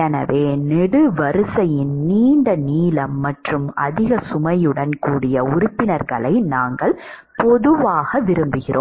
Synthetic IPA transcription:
ɛnɐ̰ʋeːnɛɽɯʋɐɾɯsɐjɪnniːɳɖɐniːlɐmːɐʈrɯmɐ̰ðɪɣɐsʊmɐjɯɽɐnkuːɽɪjɐʊɾʊpːɪnɐɾɣɐɭɐɪnaːŋɡɐɭ | pɔðɯʋaːɣɐʋɪɾɯmbɯɣɪrʔo̰ː

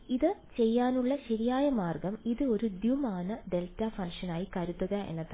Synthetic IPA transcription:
iðɨt͡ɕe̞jːaːnuɭːɐɕɐɾijaːjɐmaːrɡɐmiðɨo̞ɾud̪jumaːnɐɖe̞ltːafɐŋʂɐnaːjikɐɾut̪ːɐɣɐḛnːɐt̪ːɐ

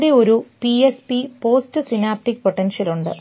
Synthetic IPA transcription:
ɽeo̞ɾupiespipo̞ːstɨsinaːp̚ʈːikːpoʈːenʂɐluɳɖɨ̰

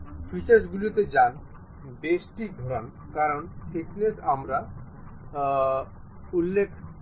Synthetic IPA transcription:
fisesɡulit̪ed͡ʑan | besʈid̪ʱɔɾan | kaɾɔnfʰeknesamɾa | ulːekʰ

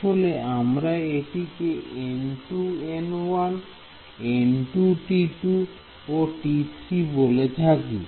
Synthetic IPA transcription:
oleʔamɾaeʈikeenʈuenwan | enʈuʈiʈu | oʈitʰɾibolet̪ʰakḭ

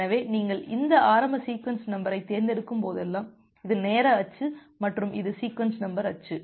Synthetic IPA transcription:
ɐʋeːniːŋɡɐɭɪnd̪ɐʔaːɾɐmbɐsiːkʋɐnsnɐmbɐɾɐɪt̪ːeːɾnd̪ɪɽɯkːɯmpoːðɛlːaːm | ɪðɯneːɾɐɐt͡ʃːɯ | mɐʈrɯmʔɪ̰ðɯsiːkʋɐnsnɐmbɐɾɐt͡ʃːɯ

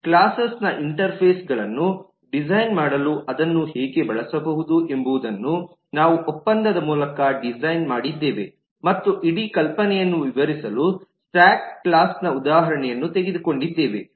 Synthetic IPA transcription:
klaːsɐsnɐʔiɳʈɐɾpʰeːsɡɐɭɐnːu | ɖid͡ʒɐjnmaːɽɐluʔɐd̪ɐnːuhɛːɡe̞bɐɭɐsɐbɐɦud̪uʔe̞mbuːd̪ɐnːu | naːʋuʔɔpːɐnd̪ɐd̪ɐmuːlɐkɐɖid͡ʒɐjnmaːɽid̪ːe̞ːʋe̞ | mɐt̪ːuʔiɽikɐlpɐnɛjɐnːuʋiʋɐɾisɐlu | saːkklaːsnɐud̪aːɦɐɾɐɳɛjɐnːut̪e̞ɡed̪uko̞ɳɖid̪ːe̞ːʋe̞

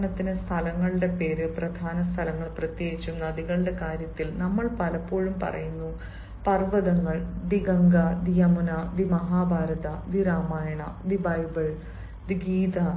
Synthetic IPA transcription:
ɳɐt̪ːinɨst̪ʰɐlɐŋːɐɭɨɽe̞pe̞ːɾɨprɐd̪ʱaːnɐst̪ʰɐlɐŋːɐɭprɐt̪jeːɡit͡ɕːunnːɐd̪iɣɐɭɨɽe̞kaːɾjɐt̪ːilnɐmːɐɭpɐlɐpːo̞ːɻumpɐ̰rɐ̰junːu | pɐrʋɐðɐŋːɐɭd̪iɡɐŋɡɐd̪ijɐmunɐd̪imɐɦaːbʱaːɾɐðɐd̪iɾaːmaːjɐɳɐ̰d̪ibɐjbɐɭ | d̪iɡiːd̪ɐ

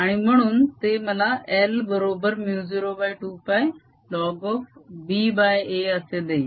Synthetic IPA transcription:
ɦaːɽ̃iməɽ̃ʊnt̪eməlaʔelbəɾoːbəɾmjuːziɾoːbaːjʈuːpaːj | lɔːɡɔːfbiːbaːjeːəsed̪ei

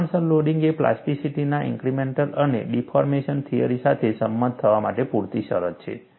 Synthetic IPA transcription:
ɳsəlːoɖiŋɡepla̰sʈisiʈinaʔḭ̃ŋkɾimeɳʈələnḛɖifʰɔɾmeʃənt̪ʰijə̰ɾisat̪ʰesəmːənd̪̚t̪ʰəʋamaʈepuɾt̪iʃəɾət̪t͡ʃʰḛ

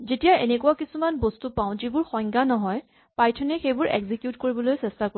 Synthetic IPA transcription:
zetijaḛnekuwakisumanbostupaʊ̃zibʊɹxɔjŋɡanɔɦɔj | pajtʰɔnɛxejbʊɹʔḛɡzikjutkoɹibɔlojsɛstako

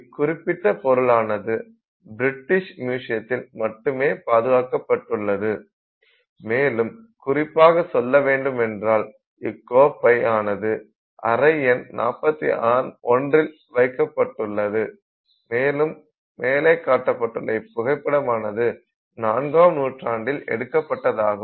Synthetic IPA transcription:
kʊrɪpːɪt̪ːɐpɔɾɯɭaːnɐðɯ | bɪɾɪʈːɪʂmjuːʂɪjɐt̪ːɪlmɐʈːɯmeːpaːðɯʋaːkɐpːɐʈːɯɭːɐðɯ | meːlɯm | kʊrɪpːaːɣɐsɔlːɐʋeːɳɖɯmɛndraːl | ɪkːoːpːɐɪaːnɐðɯ | ʔɐ̰ɾɐɪɛnnʔa̰ːpːɐt̪ːḭʔaːnɔndrɪl | ʋɐɪkːɐpːɐʈːɯɭːɐðɯ | meːlɯmː | eːlɐɪkːaːʈːɐpːɐʈːɯɭːɐɪpːʊɣɐɪpːɐɽɐmaːnɐðɯ | naːnɡaːmnuːʈraːɳɖɪlɛ̰ɽɯkːɐpːɐʈːɐðaːɣɐ

